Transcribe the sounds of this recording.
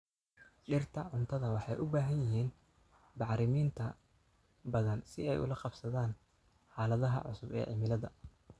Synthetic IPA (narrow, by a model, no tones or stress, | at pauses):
ɖɪrt̪ʰɐʕʊnt̪ʰɐðɐwɑħɑjʔʊbaːɦɐnjɪɦiːn | bɑʕɾɪmiːnt̪ʰɐ | bɐðɐnsɪɛjʔʊ̰lɐqɑbsɐðaːn | ħɑːlɐðɐɦɐ̰ʕʊ̰sʊbɛ̰ːʕɪ̰mɪlɐðɐ̰